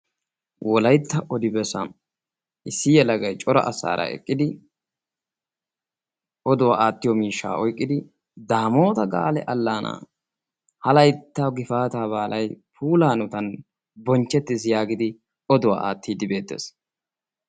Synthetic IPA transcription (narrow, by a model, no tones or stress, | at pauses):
wɔlɐjt̪ːɐʔɔd̪ɪbɛsɐ̰n | ʔɪsːɪjɛlɐɡɐjt͡ʃʼɔɾɐ̰ʔɐsa̰ːɾɐ̰ɛ̰kʼːɪd̪ɪ | ʔɔd̪ʊwaaːt̪ːɪjɔmiːʃːa̰ːʔɔjkʼːɪd̪ɪ | d̪aːmo̞ːt̪ɐɡa̰ːlɛʔɐlːaːnʔa̰ː | hɐlɐjt̪ːɐɡɪfaːt̪aːβaːlʔɐjpʰuːlaːnʊt̪ɐn | bɔnt͡ʃːɛt̪ːɪsjaːɡɪd̪ɪ | ɔd̪ʊwa̰ːʔa̰ːt̪ːiːd̪ɪbe̞ːt̪ːe̞̰ːs